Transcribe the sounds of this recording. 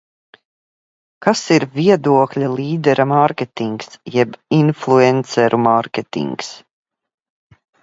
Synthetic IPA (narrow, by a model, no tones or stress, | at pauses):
kasiɾvʲiɛd̪uɔklʲalˠiːd̪ɛɾʔamaɾkʲet̪iŋksjɛbinflˠuɛnt̪sɛɾumaɾkʲet̪ḭŋks